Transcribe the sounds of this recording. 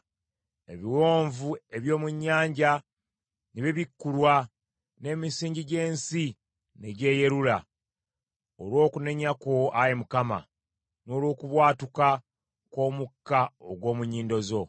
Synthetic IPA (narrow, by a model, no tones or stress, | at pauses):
e̞̰βiwo̞ːɱvue̞βjo̞ːmuɲːaːɲɟa | niβeβikːulwa | ne̞misiːɲɟiɟe̞ːnsi | ne̞ɟe̞ːje̞ɾula | olwo̞ːkune̞ɲako̞ajemukama̰ | no̞ːlwo̞ːkuβwaːtuka | ko̞ːmukːaoɡwo̞ːmuɲiːndo̞zo̞